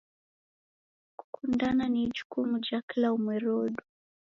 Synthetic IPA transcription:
ku̥kʰundananid͡ʒukumud͡ʒaklaumwɛɾɔɗu

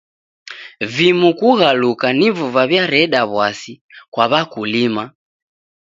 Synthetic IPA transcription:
vimukuɣalukanivuvaβjaɾɛɗaβwasi | kwaβakulima

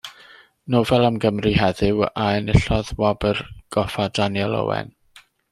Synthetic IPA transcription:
noːvɛlˠamɡəmriɦɛðɪwaɛnɪɬɔðwabərɡ̥ɔfadanjɛlˠɔ̰wɛ̰n

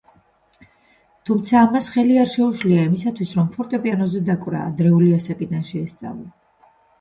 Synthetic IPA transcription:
t̪ʰumt̪sʰaːmasχɛliaɾʃɛuʃliaimisat̪ʰwisɾɔmpʰɔɾt̪ʼɛpʼianɔzɛd̪akʼvɾa̰ːd̪ɾɛuliasakʼid̪anʃɛːst̪sʼa̰vla

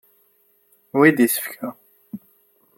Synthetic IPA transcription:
wid̪isə̥fkæ

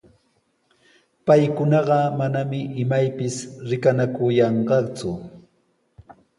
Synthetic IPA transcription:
pajkʊnɑɢɑmanamɪʔɪmajpɪsɾɪkanakʊjɑɴɢɑt͡sʊ

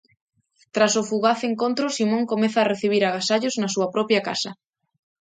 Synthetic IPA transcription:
t̪ɾasʊfuɣaθeŋkont̪ɾʊsimõŋkomɛθaːreθiβ̞iɾɐɣasaʎoznɐsuɐpɾɔpjɐka̰sɐ

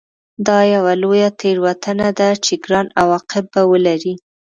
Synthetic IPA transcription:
d̪ɑjawalojat̪ʰeɾwat̪anad̪at͡ʃeɡɾɑnawɑqɪb̚ːawəlaɾi

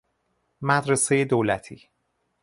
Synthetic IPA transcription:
mæd̪ɾese̞jed̪oːlæt̪ʰiː

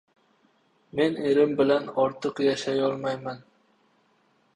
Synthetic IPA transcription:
meneɾɪmbɪlanɒɾt̪ʰɨqjɑʃajɒlˠmɑjman

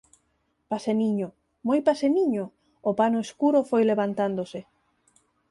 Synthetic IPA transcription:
paseniɲo | mojpaseniɲoː | panoeskuɾofojleβant̪and̪osɪ

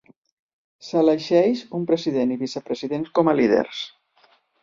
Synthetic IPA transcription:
sələʃɛʃumpɾəziðeniβisəpɾəziðenskɔməliðḛɾs

